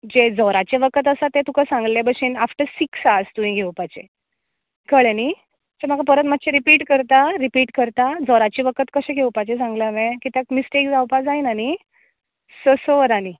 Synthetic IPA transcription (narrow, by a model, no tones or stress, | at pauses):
d͡ʑed͡zɔɾat͡ɕeʋəkət̪̬əsat̪ẽt̪ukasãŋɡlebəɕiːnafʈəɾsiksast̪ũĩɡʱewpat͡ɕḛ | kəɭeni | d͡ʑem̤aɡapəɾət̪mat̪ːɕʰeɾipiːʈkəɾt̪aɾipiːʈkəɾt̪ad͡zɔɾat͡ɕiʋəkət̪kəɕẽɡʱewpat͡ɕesãŋɡlaʋẽkit̪akmisʈekd͡zawpad͡zainani | səsoʋəɾani